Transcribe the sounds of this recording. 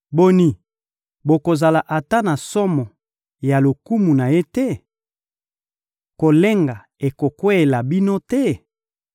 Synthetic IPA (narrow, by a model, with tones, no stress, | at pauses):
bo˨ni˨ | bo˨ko˨za˨la˨ʔa˨ta˦na˨sɔ˦mɔ˨ | ja˨lo˨ku˦mu˨na˨je˦tɛ˦ | ko˨le˦ŋɡa˨ | e˨ko˨kwe˦e˨la˨bi˦no˦tɛ˦